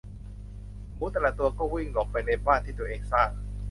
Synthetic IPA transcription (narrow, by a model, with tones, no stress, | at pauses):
muː˨˦˥t̪ɛ˧˩la˨˩t̪u˧ɐkɔː˥˩wi˥˩ŋlɔː˨˩k̚pa˧jne˧˥baː˥˩nt̪ʰi˥˩t̪u˧ɐ˨ʔeː˧ŋsaː˥˩k̚